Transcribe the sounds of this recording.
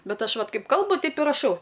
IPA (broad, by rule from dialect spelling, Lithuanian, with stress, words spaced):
ˈbʲɛt ˈɐʃ ˈʋɐt ˈkɐɪp ˈkɐlˠbʊ ˈtʲɛɪp ɪ rɐˈʃɐʊ